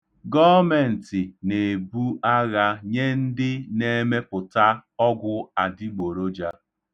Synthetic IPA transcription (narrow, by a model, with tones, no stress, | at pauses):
ɡɔ˦me˨n̩˨tɪ˨ne˨bu˦ʔa˦ɣa˦ɲe˦n̩˦dɪ˦ne˦me˦pʊ˨ta˦ɔ˦ɡʷʊ˦a˨dɪ˦ɡ͡bo˨ɾo˦d͡ʒa˦